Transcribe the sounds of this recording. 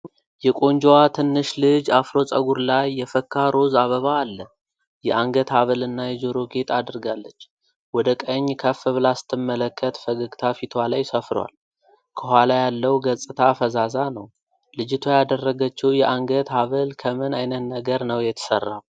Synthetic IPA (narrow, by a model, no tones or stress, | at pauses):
jɛkʼo̞nd͡ʒowat̪ʰɨnːɨʃlɨd͡ʒafɾo̞sʼə̰ɡuɾlajːɛfəkʰːaɾo̞zaβəβaːlːə | jɛʔaŋɡət̪haβəlɨnːajɛd͡ʒoɾo̞ɡet̪ʰʼad̪ɨɾɡalːət͡ʃː | wɔd̪əkʼəɲːkʰəfɨβlasɨ̥t̪ʰːɨmːələkːət̪fəɡəɡt̪ʰafit̪ʰwalajsəfɾ̰wa̰l | kʰəɦʷalajalːəwɡəsʼɨt̪ʰafəzazanəw | lɨd͡ʒɪt̪ʰojad̪ərːəɡət͡ʃːɛwjɛʔaŋɡət̪haβəlkʰəmɨnajnət̪nəɡəɾnəwjɛt̪ʰə̥sərːaw